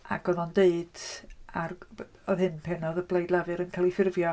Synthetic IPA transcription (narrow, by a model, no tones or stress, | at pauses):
aɡɔðɔndeɨd̥ar | ɔðhɨnpʰɛnɔðəblˠejdlˠavɨɾənkʰalˠifɪrvjɔ